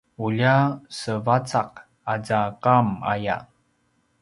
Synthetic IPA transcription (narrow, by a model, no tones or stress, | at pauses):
uʎasəvat͡saq̚ | ad͡zaqama̰ja̰